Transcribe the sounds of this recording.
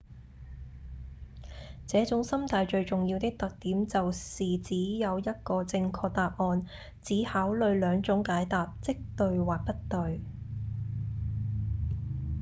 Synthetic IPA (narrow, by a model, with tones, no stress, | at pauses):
t͡sɛː˨˥t͡sʊ˨˥ŋsɐ˥mt̪ʰaː˨˧jt͡ʃɵ˧ɥt͡sʊ˨ŋji˧wt̪ɪ˥k̚t̪ɐ˨k̚t̪iː˨˥mt͡sɐ˨wsiː˨t͡siː˨˥jɐ˨˧wjɐ˥t̚kɔː˧t͡sɪ˧ŋkʰɔː˧k̚t̪aː˨p̚ŋɔː˧n | t͡siː˨˥haː˨˥wlɵ˨˧ɥlœː˨˧ŋt͡sʊ˨˥ŋkaː˨˥jt̪aː˨p̚t͡sɪ˥k̚t̪ɵ˧ɥwaː˨k̚pɐ˥t̚t̪ɵ˨˧ɥ